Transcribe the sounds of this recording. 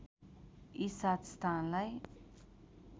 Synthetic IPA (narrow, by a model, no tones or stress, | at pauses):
isat̪st̪ʰanlaj